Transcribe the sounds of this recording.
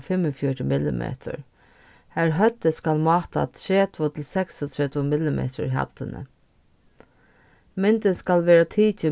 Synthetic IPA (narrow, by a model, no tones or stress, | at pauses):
fɪmːəfjɔʈəmɪlɪ̰mʔḛːt̪ʰə̰ɹ | hæɹɦœt̪ːəskalmɑːt̪a̰t̪ʰɾeːt̪ʋʊt̪ʰɪlsɛksɔt̪ʰɹɛːt̪ʋʊmɪlɪmḛːt̪ʊ̰ɾɦa̰t̪ːɪnə̰ | mɪnt̪ɪskalʋeːɹat̪ʰiːt͡ʃɪ